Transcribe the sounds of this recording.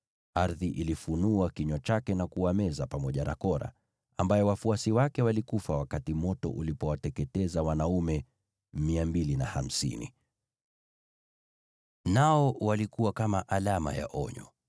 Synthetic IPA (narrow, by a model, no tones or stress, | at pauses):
aɾðiʔilifunuakiɲɔt͡ʃakɛnakuwamɛzapamɔʄana̰kɔɾa̰ | ambajɔwafuasiwakɛwalikufawakatimɔtɔ̰ʔulipɔwatɛkɛtɛzawanaumɛ | miambilinaham̩sḭnḭ | naɔwalikuwakamaʔalama̰ja̰ʔɔɲɔ̰